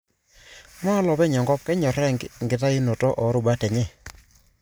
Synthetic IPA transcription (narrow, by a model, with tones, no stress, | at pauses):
ma˦lɔ˨bɛ˦ɲɔ˨ŋɡɔ˦p̚kɛ˦ɲɔ˨ɾɛ˦˨ŋɡŋɡɪ˨ta˦ɪ˦no˨tɔ˦ʔɔ˨˦ɾʊ˨ba˦tɛ˨ɲe˦˨